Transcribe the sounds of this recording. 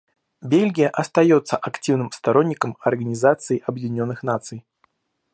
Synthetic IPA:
bʲelʲɡʲijəʔɐst̪ɐjot̪sːəʔɐktʲivnɨmst̪ɐɾonʲːɪkəmɐrɡənʲɪzat̪sɨjiʔɐbjɪɪnʲonːɨxnat̪sɨj

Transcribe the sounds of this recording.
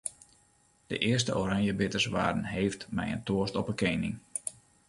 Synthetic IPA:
d̥ə̰ʔɪərstəʔoɾaŋjəbɪtərsʋa̰ːdən̩ɦeːftmɛ̰jə̰ntoəstɔpəkeːnɪ̰ŋ

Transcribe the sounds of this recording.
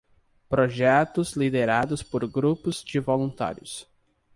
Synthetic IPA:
pɾoʒɛt̪ʊzlid̪eɾad̪ʊspoɾɡɾupʊzd͡ʒɪvolũnt̪a̰ɾjʊs

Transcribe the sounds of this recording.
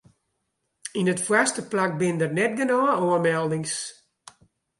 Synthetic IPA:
inətfwastəplak̚bɪndərnɛt̚ɡənɔːoəmɛlˠdɪŋs

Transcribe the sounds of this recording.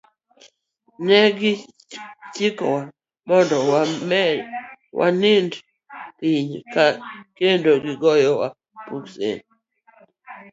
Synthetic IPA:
nɛɡɪ | tikɔwa | mɔndɔ | wʔa̰nɪnd | liɲkakendoɡɪɡɔjɔwa̰ | puksḛn

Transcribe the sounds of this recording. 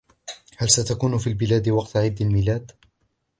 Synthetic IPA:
halsat̪akuːnʊfiːlbɪlaːd̪ɪwɑqt̪ʕɪd̪ːalmɪːlaːd̪

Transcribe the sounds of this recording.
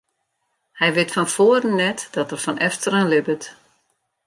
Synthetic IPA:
hɛjʋɪtfɔnfoərənːɛtd̥ɔtərfɔnɛftərənlɪbət

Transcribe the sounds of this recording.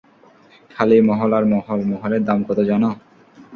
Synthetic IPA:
kʰalimɔɦolaɾmɔɦolmɔɦoled̪amkɔt̪od͡ʑɔno

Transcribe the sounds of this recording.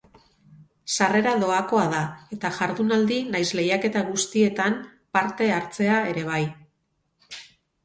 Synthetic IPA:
sare̞ɾaðo̞ako̞aðae̞t̪aʝaɾðunald̪inajsle̞jake̞t̪aɣust̪ie̞t̪ampaɾt̪e̞aɾt͡se̞ae̞ɾe̞β̞aj

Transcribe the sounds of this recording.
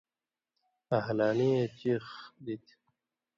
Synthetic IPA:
ɐɦlaːniet͡ɕixd̪it̪ʰ

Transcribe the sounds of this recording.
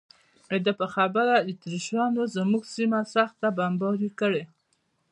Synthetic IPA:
ed̪əpəxabəɾad̪ət̪ɾiʃɑnozəmuɡsimasaxt̪abambɑɾikəɽe

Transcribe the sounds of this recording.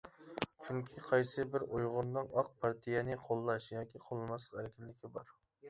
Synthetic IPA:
t͡ʃʰyŋkʲʰiqʰɑjsɨbɪɾojʁʊnd̪ɨŋɑq̚pʰɑɾt̪ʰijɛnɨqʰolˠːɑʃjɑːkʲiqʰolˠmɑslˠəqæɾɪkʲɪnlːɪkʲʰibɑɾ

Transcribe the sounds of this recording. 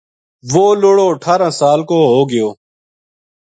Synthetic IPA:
ʋoːloːɽoːəʈʰaːɾãːsaːlkoːɦoːɡɪjoː

